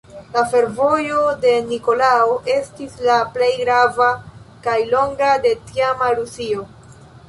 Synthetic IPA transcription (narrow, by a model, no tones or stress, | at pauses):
lafe̞ɾvo̞jo̞de̞nikolaoʔe̞stislaple̞jɡɾavakajlo̞ŋɡade̞tiamaɾusio̞